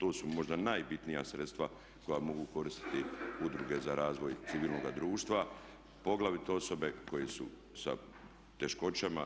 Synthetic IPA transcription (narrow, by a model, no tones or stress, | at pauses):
t̪oːsumo̞ʒd̪anajbit̪nijasɾe̞t̪st̪ʋa | ko̞jamo̞ɡuko̞ɾist̪i̥t̪iud̪ɾuɡe̞zaɾaːzʋo̞jt̪iʋiːlˠno̞ɡad̪ɾuːʃt̪ʋa | po̞ɡlaʋit̪o̞so̞be̞ko̞jesu | sa̰ | t̪e̞ʃko̞t͡ɕama